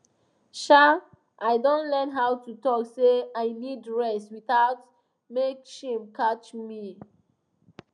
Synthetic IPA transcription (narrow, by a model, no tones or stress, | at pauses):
ʃa | ʔaɪdõntlɛnɦawtutɔkseaɪnidɹɛswiθaʊt | mekʃĩmkʰatumi